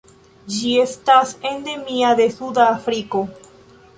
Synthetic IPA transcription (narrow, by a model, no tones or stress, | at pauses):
d͡ʒie̞stase̞nd̪e̞miad̪e̞sud̪aːfɾiko̞